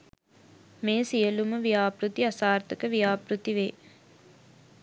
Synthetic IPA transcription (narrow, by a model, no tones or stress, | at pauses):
meːsijəluməʋijaːpɾut̪iasaːɾt̪əkəʋijaːpɾut̪iʋeː